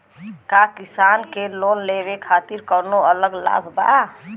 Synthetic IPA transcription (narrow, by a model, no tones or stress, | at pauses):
kakisankelonleβekʰat̪iɾkənoələɡla̰bʱba̰